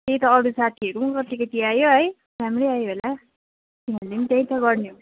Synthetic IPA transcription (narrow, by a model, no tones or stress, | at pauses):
t̪ej̃t̪ʌːɾusat̪ʰiʌɾuukʌt̪ːikʌt̪iajoɦʌj | ramrejajoɦola | t̪inanlenit̪ej̃t̪ʌɡʌɾnjo